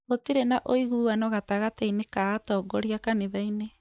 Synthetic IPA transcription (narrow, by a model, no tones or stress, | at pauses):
otiɾenaʔoiɣuːanɔɣataɣatainekaɣatɔɡɔɾiakaneβaine